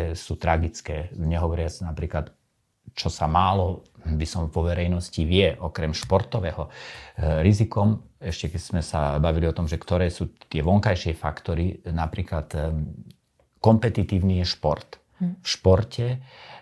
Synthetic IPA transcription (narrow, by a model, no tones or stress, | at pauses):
suːt̪ɾaɡit͡skɛːɲɛɦɔʋɔɾɪat͡snapɾiːklat̪ | t͡ʃɔsamaːlɔbisɔmʋɔʋɛɾɛjnɔsciʋɪɛʔɔkɾɛmʃpɔɾt̪ɔʋɛːɦɔ | ɾizikɔmɛʃcɛkɛz̥mɛsabaʋiliɔt̪ɔmʒɛkt̪ɔɾɛːsuːt̪ɪɛʋɔŋkajʃɪɛfa̰kt̪ɔɾinapɾiːklat̪ | kɔmpɛt̪it̪iːʊnijɛʃpɔɾt̪ | fʃpɔɾcʰɛ